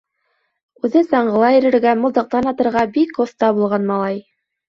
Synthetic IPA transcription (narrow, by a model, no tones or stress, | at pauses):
ʉðɘsɑɴɢɤ̆lˠɑĭɾɘ̆ɾɡæmŏlˠd̪ɤ̆q̚t̪ɑnɑt̪ɤ̆ɾʁɑbikoθt̪ɑbulˠʁɑnmɑlˠɑj